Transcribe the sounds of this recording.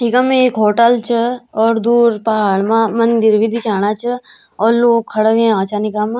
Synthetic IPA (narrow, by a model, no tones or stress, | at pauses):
ikɐmekɦoːʈəlt͡ʃʰəɔːɾd̪uːɾpɐɦaːɭmãmɐnd̪iɾʋid̪ʱikaːɽaːt͡ʃʰɐ | ɔːɾloːkʰːɐɽəʋẽãːt͡ʃanikamã